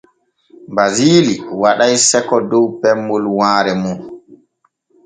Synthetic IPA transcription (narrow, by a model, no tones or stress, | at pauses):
baziːliwaɗajsɛkɔdɔwpɛmːɔlwaːɾɛmum